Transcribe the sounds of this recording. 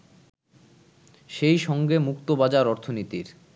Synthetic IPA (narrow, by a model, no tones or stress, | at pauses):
ʃejʃɔŋɡemukt̪obad͡ʑaɾɔɾt̪ʰonit̪iɾ